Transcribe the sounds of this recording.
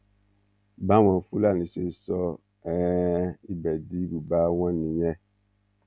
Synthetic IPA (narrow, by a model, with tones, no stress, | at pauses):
ba˦wã˨fu˦la˦˨ni˨se˨sɔ˦ | ɛ˦i˦bɛ˨di˦bu˨ba˦wã˦ni˨jɛ˦